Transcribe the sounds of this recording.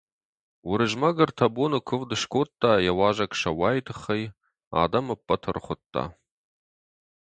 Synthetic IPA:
wʊɾɨʒmɐɡɐrtʰɐboːnɨkʷʰʊvdɨʃkʷʰoːtʼːaːjɐwaːʒɐkʃɐwaːjtʰɨχɐj | a̰ːdɐmɨpʼːɐtʰɐrχʷʊtʰʼːa̰ː

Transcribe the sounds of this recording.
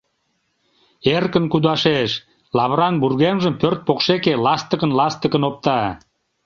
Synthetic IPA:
erkənkud̪ɑʃeʃ | lɑβɾɑnburɣemʒəmpørt̪̚pokʃekelɑst̪əkənlɑst̪əkənop̚t̪ɑ

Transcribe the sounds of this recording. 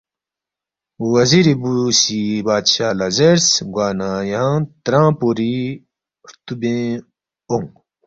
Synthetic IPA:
wɐziɾibusibaːd̪ɕaːlazeɾsɡwaːnãːjaãt̪ɾãːpoɾi | ɾt̪ubẽ | oŋ

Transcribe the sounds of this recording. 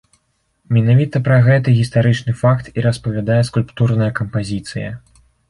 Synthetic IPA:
mʲɛnavʲit̪ɐpɾɐɣɛt̪ɨɣʲist̪aɾɨt͡ʂnɨfakt̪iɾɐspɐvʲad̪ajɛskulʲpt̪urnɐjɐkɐmpazʲit̪sɨjɐ̰

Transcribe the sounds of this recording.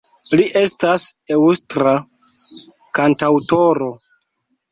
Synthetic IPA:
liʔe̞stase̞wustɾa | kantawto̞ɾo̞

